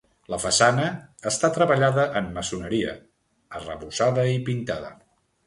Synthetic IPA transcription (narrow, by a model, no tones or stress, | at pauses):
ləfəsanəːst̪at̪ɾəβəʎaðəʔəmːəsunəɾiə̰ | ərə̰βuzaðəipint̪aðə̰